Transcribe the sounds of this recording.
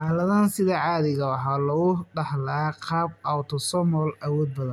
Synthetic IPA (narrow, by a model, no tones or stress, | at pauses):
ħaːlɐðaːnsɪðɐʕɑːðɪɣɐwɑħaːlɐɣʊɖɐhlaːqɑːb̚awt̪ʰɔsɔmɔlɐwɔːd̪̚bɐðɐn